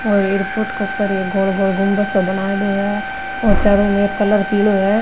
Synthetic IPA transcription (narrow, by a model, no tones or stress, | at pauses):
ɔːɾeːɾpoːɾʈkokɐɾɡʱoːɭɡʱoːɭɡʱʊ̃mbəsobɐnad̪iɛ | ɔːɾt͡ʃaɾõmekɐləɾpiːloɦɛ